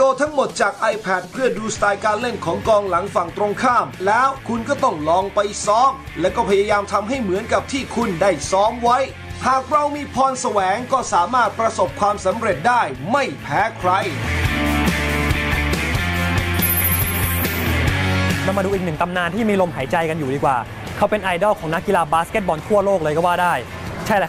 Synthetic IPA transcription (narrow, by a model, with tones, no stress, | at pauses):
oː˧t̪ʰa˦˥ŋmo˨˩t̪̚t͡ɕaː˨˩k̚ʔa˧jpʰɛ˨˩t̪̚pʰɯ˥˩ɐduː˧st̪aː˧jkaː˧nle˥˩nkʰɔː˩˦ŋkɔː˧ŋla˩˦ŋfa˨˩ŋt̪ɾo˧ŋkʰaː˥˩mlɛː˦˥wkʰu˧nkɔː˥˩t̪ɔ˥˩ŋlɔː˧ŋpa˧jsɔː˦˥m | lɛ˦˥wkɔː˥˩pʰa˧jaː˧jaː˧mt̪ʰa˧mɦa˥˩jmɯ˩˦nka˨˩p̚t̪ʰiː˥˩kʰu˧ndaː˥˩jsɔː˦˥mwa˦˥j | haː˨˩k̚ɾa˧wmiː˧pʰɔː˧nsa˧wɛː˩˦ŋkɔː˥˩saː˩˦maː˥˩t̪̚pɾa˧so˨˩p̚kʰwaː˧msa˩˦mɾe˨˩t̪̚daː˥˩jma˥˩jpʰɛː˦˥kʰɾa˧j | na˧ma˧duː˧ʔi˨˩k̚nɯ˨˩ŋt̪a˧mnaː˧nt̪ʰiː˥˩miː˧lo˧mɦaː˩˦jt͡ɕa˧jka˧njuː˨˩diː˧˩kwa̰ː˨˩ | kʰa˦˥˩wpe˧nʔa˧jdɔː˥˩kʰɔː˩˦ŋna˦˥kːi˧laː˧baː˦˥ske˦˥t̪̚bɔː˧nt̪ʰu˥˩ɐloː˥˩klɤː˧jkɔː˥˩waː˥˩daː˥˩j | t͡ɕʰa˥˩jɛ˦˥